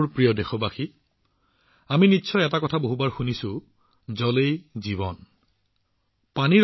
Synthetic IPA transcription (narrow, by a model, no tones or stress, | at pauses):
pɹijɔdexɔbaxi | aminitːsʰɔjɛtakɔtʰaboɦubaɹxunisʊ | zɔlejziβɔn | pani